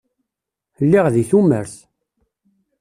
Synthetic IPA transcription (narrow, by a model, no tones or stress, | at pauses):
lːiʁðiθuməɾθ